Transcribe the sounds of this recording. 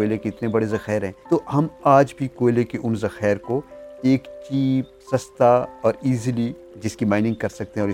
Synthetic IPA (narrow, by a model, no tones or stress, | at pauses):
oɪlekeɪt̪nebɐɽezɐxɛːɾɦɛ̃ːt̪ohɐmaːd͡ʒbʱikoːɪlekeʔʊnzɐxɛːɾkoeːkt͡ʃiːpsɐst̪aɔːɾiːzli | d͡ʒɪskimãːɪnɪ̃ŋɡ̚kɐɾsɐk̚t̪eɦɛ̃ɔːɾɪ